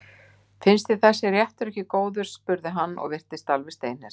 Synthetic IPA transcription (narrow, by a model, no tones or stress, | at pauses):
fɪnst̪ɪθɛsɪrjɛht̪ʏɾɛhcɪkoːwðʏɾ̥spʏɾðɪɦanːɔ̰ɣvɪr̥t̪ɪst̪alvɪst̪eːjnɛɾ̥